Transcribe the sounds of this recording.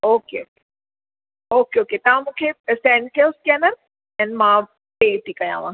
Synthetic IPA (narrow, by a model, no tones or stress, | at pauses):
oːkeoke̥ | okeoket̪ɐʋãmũkʰesɛ̃ːnkelskɛːnəɾ | ɛ̃nmã | peːʈikãjã̰ːʋãː